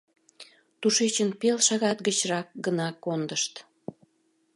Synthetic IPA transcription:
t̪uʃet͡ɕənpelʃɑɣɑt̪ɡət͡ɕrɑk̚ɡənɑkond̪əʃt̪

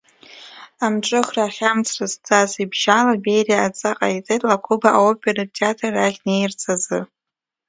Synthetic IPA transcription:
amʈ͡ʂʼɨχraːχʲamt͡sʰrɨzt͡sʰʼazibʒalabejriaːt͡sʼaqʼa̰it͡sʼejtʼlakʰʷʊbaʔaopʰʼeratʰeatʰaraʁʲnejrt͡sʰʼazɨ

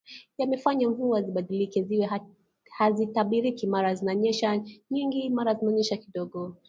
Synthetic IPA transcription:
jamɛfaɲamvuaziɓaɗilikɛziwɛ | hazitaɓiɾikimaɾazinaɲɛʃaɲiŋɡimaɾazimɛɔɲɛʃakiɗɔɡɔ

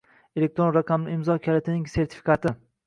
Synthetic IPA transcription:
elek̚t̪ɾo̞nɾaqʰɑmlɪɪmzɒkʲʰalat̪ʰɪnɪŋse̞ɾt̪ʰɪ̥fi̥kʰat̪ɪ

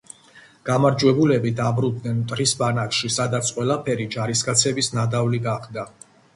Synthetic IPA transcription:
ɡ̥amaɾd͡ʒwɛbulɛbid̪abɾud̪nɛnt̪ʼɾisbanakʃisad̪at̪sʰqʼwɛlˠapʰɛɾid͡ʒaɾiskʼat̪sʰɛbisnad̪avliɡaχd̪a

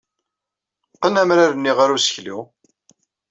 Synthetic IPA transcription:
qːənæmɾaɾənːiʁaɾusə̥çlḭ

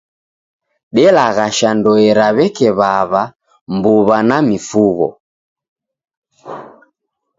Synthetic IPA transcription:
ɗɛlaɣaʃandɔɛɾaβɛkɛβaβa | mbuβanamifuɣɔ̰

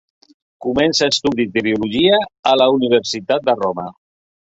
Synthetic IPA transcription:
kumɛnsaest̪uðit̪əɾiuluʒiaːlauniβ̞əɾsit̪at̪̚d̪əromə

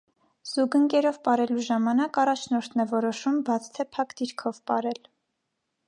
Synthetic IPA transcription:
z̥uɡəŋkɛɾɔvpɑɾɛluʒɑmɑnɑkɑrɑt͡ʃʰnɔɾt̪ʰnɛvɔɾɔʃumbɑt͡sʰt̪ʰɛpʰɑkd̪iɾkʰɔvpɑɾɛl

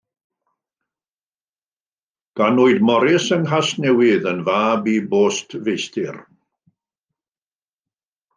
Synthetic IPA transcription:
ɡ̥anʊɨdmɔɾɪsənɦasnɛwɪðənvaːbiboːstʰvejstɪr

